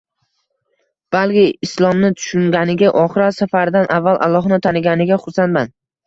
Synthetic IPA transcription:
b̥alˠkʲɪɪslˠɒmnɪt̪ʰʊ̥ʃʊŋɡʲanɪɡʲaʔɒχɨɾasafaɾd̪anʔavːalˠʔa̰lˠːɒɦnɪt̪ʰanɪɡʲanɪɡʲaχʊɾsanman

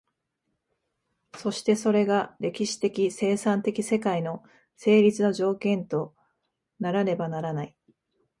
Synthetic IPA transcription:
so̞ɕi̥t̪e̞so̞ɾe̞ɡaɾe̞kʲiɕi̥t̪e̞kʲise̞ːsãnt̪e̞kʲise̞kaino̞ | se̞ːɾʲit͡sɨno̞ʑo̞ːkẽ̞nt̪o̞ | naɾaɾe̞banaɾanai

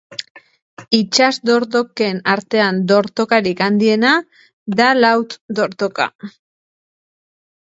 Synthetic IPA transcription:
it͡ʃazd̪o̞ɾt̪o̞ke̞naɾt̪e̞and̪o̞ɾt̪o̞kaɾikand̪ie̞na | ðalawt̪d̪o̞ɾt̪o̞ka̰

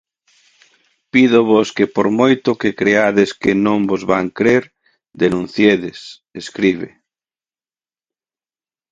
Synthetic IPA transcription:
piðʊβoskepoɾmojt̪ʊkekɾeaðɪskɪnõŋbozβaŋkɾeɾ | d̪enũn̟θjeðɪs | eskɾiβɪ

